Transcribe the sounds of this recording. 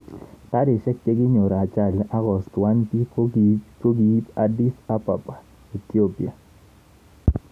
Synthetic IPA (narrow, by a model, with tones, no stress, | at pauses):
ta˦de˨ʃɛ˦kːe˦ɡɪ˦ɲo˨ɾa˨t͡ʃa˦˨lʔa˦ɣɔ˨stwa˦npi˦ | ko˦ɡi˨˦ta˦di˦sa˦pa˨pʼḁ˨ | i˨ti˦o˦pḭ˨a˨